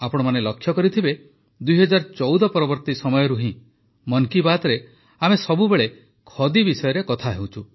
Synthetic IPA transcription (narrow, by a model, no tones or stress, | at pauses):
apɔɽ̃ɔmanelɔkʰːjɔkɔɾit̪ʰibe | d̪ujɦɔd͡ʒaɾt͡ʃɔwd̪ɔpɔɾɔbɔɾt̪isɔmɔjɔɾuɦĩ | mɔnkibat̪ɔɾe | amesɔbubeɭe | kʰɔd̪ibisɔjɔɾekɔt̪ʰaɦew̃t͡ʃʰu